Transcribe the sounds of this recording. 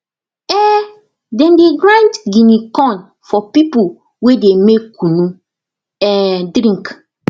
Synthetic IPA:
ɛ | dɛ̃ndeɡɾãntɡinikɔ̃n | fɔpipu | wedemekːunu | ɛdɾĩŋk

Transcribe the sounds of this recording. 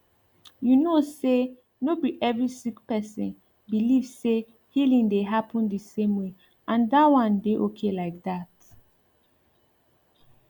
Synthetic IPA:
junose | nobiʔɛvɹisikpɛsɔ̰̃n | bilivse | hilĩŋdeɦapʰə̃ndəsẽmwe | ʔãndatwãnbeʔokʰelaɪk̚dat

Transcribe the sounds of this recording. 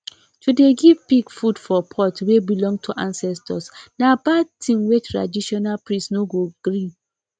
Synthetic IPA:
tudeɡivpikfudfɔpʰɔtwebilɔ̃ŋɡ̚tʰuʔãnsɛstʰɔ̰snabatʰĩmwetʰɾa̰diʃɔnalpɹĩsnoɡoɡ̥ɾĩn

